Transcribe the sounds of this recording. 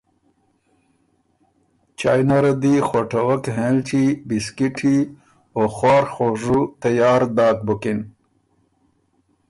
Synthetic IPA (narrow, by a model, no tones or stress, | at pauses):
t͡ɕaːjnaɾɐd̪ixoʈɐwɐkɦẽlt͡ɕibiskiʈʰi | oxwaːɾxoːʐut̪ɐjaːɾd̪aːt̪̚bukin